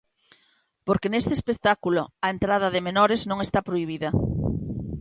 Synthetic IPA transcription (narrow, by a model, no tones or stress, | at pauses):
poɾkenest̪espek̚t̪akuloɐent̪ɾaðɐðemenɔɾeznõŋest̪apɾoiβ̞iðɐ